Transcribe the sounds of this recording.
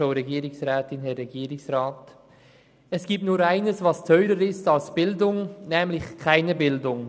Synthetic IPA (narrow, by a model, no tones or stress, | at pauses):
oʊɾeɡiːɾɪksʁɛːtɪnhɛɾːeɡiːɾɪksʁaːt | ɛsɡ̥iːp̚tnuːɾaɪnəsvɑstʰœʏɾəɾɪstɑlsb̥ɪldʊŋnɛːmlɪçkʰaɪnəbɪldʊŋ